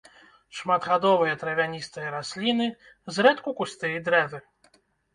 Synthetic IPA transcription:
ʂmat̪ɣad̪ɔvɨjɐt̪ɾɐvʲanʲist̪ɨjɐɾasʲlʲinɨ | zɾɛt̪kukust̪ɨjd̪ɾɛvɨ

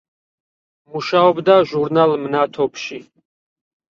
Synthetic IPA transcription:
muʃaɔbd̪aʒuɾnalˠmnat̪ʰɔpʰʃi

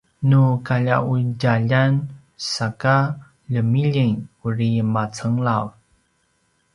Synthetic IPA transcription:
nukaʎa̰ʔuɟaʎan | saka | ʎəmiʎiŋurimat͡səŋlaw

